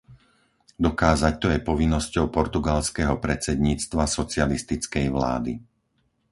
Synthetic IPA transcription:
d̪ɔkaːzac̚t̪ɔjɛpɔʋinːɔscɔʊpɔɾt̪uɡalskɛɦɔpɾɛt͡sɛd̪ɲiːt͡st̪ʋasɔt͡sɪalist̪it͡skɛjʋla̰ːd̪ḭ

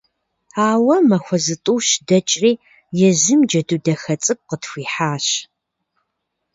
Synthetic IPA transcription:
aːwɐmɐxʷɔzɨtʼuːɕdɐt͡ʃʼriː | jɛzɨmd͡ʒɐdudɐxɐt͡sʼɨk̚ʷʼqətxʷiːħaːɕ

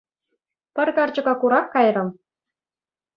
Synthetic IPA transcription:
pʲɘ̆rʲkɑrʲd͡ʑɤ̆ɡɑkuɾɑkkːɑjrɤ̆m

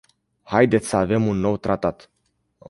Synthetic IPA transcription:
hajd̪e̞t̪sʲsəave̞munːo̞wt̪ɾat̪at̪

